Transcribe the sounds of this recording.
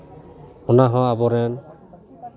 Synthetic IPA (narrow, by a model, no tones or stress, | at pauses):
ɔnaɦɔ̃abɔɾɛn